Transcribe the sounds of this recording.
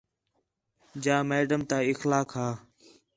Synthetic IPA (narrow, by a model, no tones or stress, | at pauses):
d͡ʒaːmeːɖəmt̪ãːɪxlaːkʰɦaː